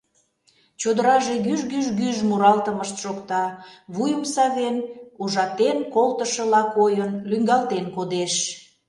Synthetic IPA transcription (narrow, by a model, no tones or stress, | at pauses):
t͡ɕod̪əɾɑʒeɣyʒɣyʒɣyʒmuɾɑlt̪əməʃt̪ʃokt̪ɑβujəmsɑβenuʒɑt̪enkolt̪əʃə̆lɑkojənlyŋɡɑlt̪enkod̪eʃ